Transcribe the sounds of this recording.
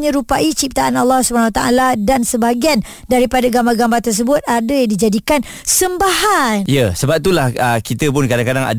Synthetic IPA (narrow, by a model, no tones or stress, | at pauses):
ɲə̃ɾupaʔit͡ʃip̚t̪aʔanalːɔhsubəanawat̪aʔaladansəbaɡian | daɾipadaɡambarɡambart̪ərs̬əbʊt̪̚adajaŋdid͡ʒadikan | səmbaɦanjəsəbap̚t̪ulahəkit̪əp̬ʊnkadaŋkadaŋa̰